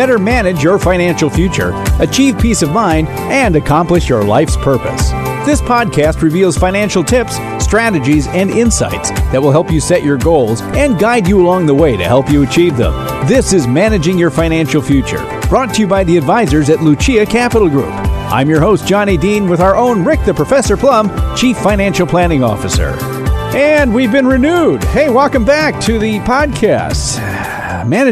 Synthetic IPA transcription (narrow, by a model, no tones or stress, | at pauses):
b̥ɛɾə˞mænɨd͡ʒjə˞fãɪ̃ñæ̃nʃl̩ˠfjʉt͡ʃə̰˞ɨt͡ʃʰiv̥pʰisʌvmãɪ̃nd | ɨ̃nɨkʰɑ̃mplɨʃjə˞la̰ɪfspʰɜ˞pɨ̰sðɪspʰɑd̚kʰæst̚ɹɨvilˠz̥fãɪ̃ñæ̃nʃl̩ˠtʰɪps | tɹ̥æɾɨd͡ʒizɨ̃nɪ̃nsa̰ɪtsðɨt̚wəlˠɦɛlˠpjɨsɛt͡ʃə˞ɡoʊlˠzɨ̃nɡaɪd͡ʒɨəlɔ̃ŋðəweɪɾɨ̰hɛlˠpjɨɨt͡ʃʰivðə̰̃m | ðɪsɨzmænɨd͡ʒɪ̃ŋjə˞fãɪ̃ñæ̃nʃl̩ˠfjʉt͡ʃə̰˞ | b̥ɹɔtʰɨjɨbaɪðiɨdvaɪzə˞zɨtˡlʉt͡ʃiɨkʰæpəɾl̩ˠɡɹʉ̰pʔã̰ɪ̃mjə˞hoʊsd̥ʒ̥ɑnidĩnwɨðaʊə˞ʔõʊ̃nɹɪk̚ðɨpʰɹ̥əfɛsə˞pʰl̥ʌ̃mt͡ʃʰifãɪ̃ñæ̃nʃl̩ˠpʰl̥ænɪ̃ŋɔ̰fɨsə̰˞ | ɨ̃nwivbɨ̃nɹɨnud̚heɪwɔlˠkə̃mbæk̚tʰɨðɨpʰɑd̚kʰæ̰st | mænɨ